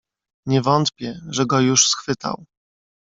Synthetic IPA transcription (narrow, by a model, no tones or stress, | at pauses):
ɲɛvɔnt̪pʲjɛʐɛɡɔjuʂsxfɘt̪a̰w